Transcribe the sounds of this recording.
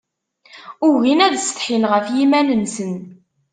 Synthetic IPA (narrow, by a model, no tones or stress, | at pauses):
ʊʝinæðst̪ħinʁəfjimænənsən